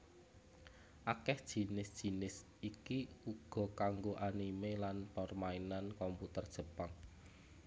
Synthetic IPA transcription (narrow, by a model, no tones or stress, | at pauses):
ʔakɛhd̥ʒ̥i̤nɪsd̥ʒ̥i̤nɪs | ikiuɡ̥ɔ̤kaŋɡoʔanimelanpɔrmainankɔmput̪ərd̥ʒ̥ə̤paŋ